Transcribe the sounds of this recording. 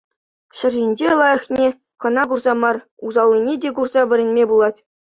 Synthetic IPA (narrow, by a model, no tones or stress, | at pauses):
ɕɘ̆rʲʑinʲd͡ʑelˠɑjɤ̆χnʲe | kɤ̆nɑɡurzɑmɑr | uzɑlʲˠːinʲedʲeɡurzɑʋʲɘ̆ɾʲɘ̆nʲmʲebulˠɑtʲ